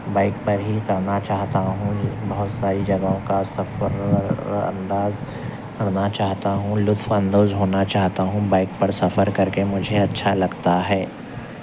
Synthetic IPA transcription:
baːɪk̚pɐɾɦikɐɾnat͡ʃaːɦt̪aɦũbɐɦʊt̪saːɾid͡ʒɐɡõkasɐfəɾɐ̰̃nd̪aːz | kɐɾnat͡ʃaːɦt̪aɦũlʊt̪fɐ̃nd̪oːzɦoːnat͡ʃaːɦt̪aɦũbaːɪk̚pɐɾsɐfəɾkɐɾkemʊd͡ʒʱeɐtːʃʰalɐɡt̪aɦɛː

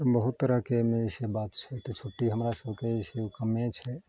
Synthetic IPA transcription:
bəɦut̪ːəɾəɦkemesebat̪t͡ʃʰɛt̪ɔt͡ʃʰoʈːiɦəmɾasəbʱkeeseukəmet͡ʃʰɛ

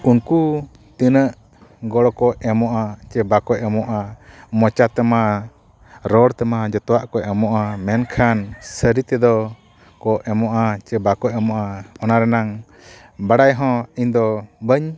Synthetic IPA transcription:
unku | t̪inəʔ | ɡɔɽɔkɔɛmɔʔat͡ʃɛbakɔɛmɔʔamɔt͡ʃat̪ɛma | ɾɔɽt̪ɛmad͡ʒɔt̪ɔwaʔkɔʔɛmɔʔamɛnkʰansəɾit̪ɛd̪ɔ | kɔʔɛmɔʔat͡ʃɛbakɔʔɛmɔʔaɔnaɾɛnaŋ | baɽajɦɔ̃iɲd̪ɔbəɲ

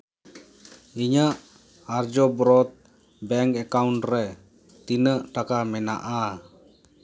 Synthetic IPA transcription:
iɲaʔ | aɾd͡ʒɔbɾɔt̪̚ | bɛŋkɛkawɳʈɾɛ | t̪inəʔʈakamɛna̰ʔa

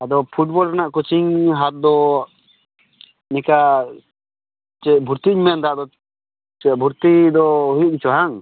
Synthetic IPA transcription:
ad̪ɔpʰuʈ̚bɔlɾanaʔkut͡ʃiŋɦat̪̚d̪ɔ | nɛka | t͡ʃɛt̪bʱuɾt̪iɲmɛnd̪ad̪ɔ | t͡ʃɛʔ̚bʱuɾt̪id̪ɔɦujuʔɡit͡ʃɔɦaŋ

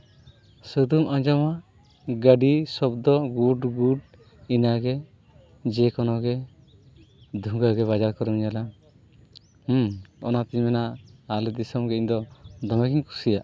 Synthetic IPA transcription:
səd̪umaɲd͡ʒama | ɡəɖisɔbd̪ɔɡuɖɡuɖ | inaɡɛ | d͡ʒɛkɔnɔɡɛ | d̪ʱuŋɡaɡɛβad͡ʒaɾkɔɾɔmiɲala | ɔ̰nat̪iɲmɛnaːlɛd̪isɔmɡɛiɲd̪ɔd̪ɔmakiɲkʰu̥sijaʔ

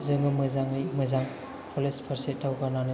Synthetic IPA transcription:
zɯŋɡɯmɯzaŋɯjmɯzaŋ | pʰɔlespʰaɾsetawɡananɯ

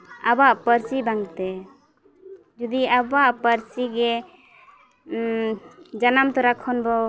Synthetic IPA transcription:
abaʔpəɾsibaŋt̪ɛ | d͡ʒud̪iabaʔpəɾsiɡɛ | d͡ʒanamt̪ɔɾakʰɔnbɔ

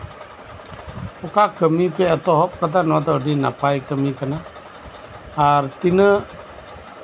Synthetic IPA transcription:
ukakəmipɛat̪ɔɦɔp̚kat̪̬anɔat̪̬adinapajkəmikana | art̪inə

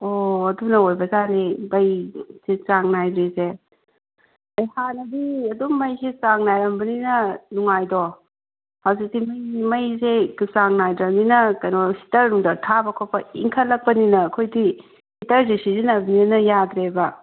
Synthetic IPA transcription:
oɐdunɐojbɐzanebɐjset͡ʃaŋnajbɾese | bɐjhanɐbiɐdumːɐjset͡ʃaŋnajɾɐmbɐninɐnuŋajdɔ | hawzik̚dimɐjmɐjzekusaŋnajdɾɐɾninɐkɐjnosi̥tɐɾnuŋdɐtʰabɐkʰopʰɐḭŋkʰɐtlːɐk̚pɐninɐːkʰojdi | hitɐɾdisizinɐbniɐnɐjad̪ɾebɐ

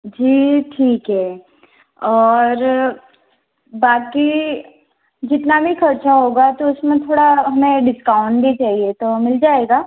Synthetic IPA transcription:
d͡ʒiːʈʰiːkɦɛː | ɔːɾ | baːki | d͡ʒɪt̪nabʱixɐɾt͡ʃaɦoːɡat̪oʊsmẽt̪ʰoːɽaɦɐmẽɖɪskaːʊ̃ɳʈbʱit͡ʃaːɦiet̪omɪld͡ʒaːeːɡaː

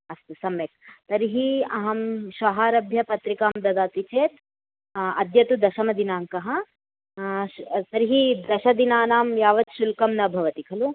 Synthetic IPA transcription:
ɐst̪usɐmjek̚t̪ɐɾiɦiɐɦɐmʃɐɦaːɾɐbʱjɐpɐt̪ɾikaːmd̪ɐd̪aːt̪it͡ʃeːt̪ | ɐd̪jɐt̪ud̪ɐʃɐmɐd̪inaːŋkɐɦɐ̆ | t̪ɐɾiɦid̪ɐʃɐd̪inaːnaːmjaːʋɐt̪ʃulkɐmnɐbʱɐʋɐt̪ikʰɐlu

